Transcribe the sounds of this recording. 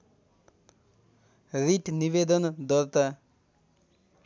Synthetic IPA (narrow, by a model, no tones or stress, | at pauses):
ɾiʈniʋed̪ʌnd̪ɔɾt̪a